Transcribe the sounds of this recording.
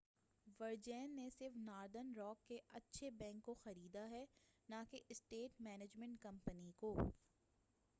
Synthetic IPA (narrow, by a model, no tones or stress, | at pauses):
ʋɐɾd͡ʒɛːnːesɪɾfnaːɾd̪ənɾɔːkːeʔɐtːʃʰebɛ̃ːŋkːoxɐɾiːd̪aɦɛnakeɪsʈeːʈmɛːned͡ʒmɛ̃ɳʈkɐ̃mpənikoː